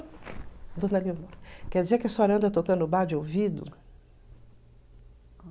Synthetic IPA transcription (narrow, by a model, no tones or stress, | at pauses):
d̪õnɐliomoɾkɛɾd͡ʒɪzeɾkɪasoaɾɐ̃nd̪ɛt̪okɐ̃ʊbaɾd͡ʒɪowvid̪ʊ̰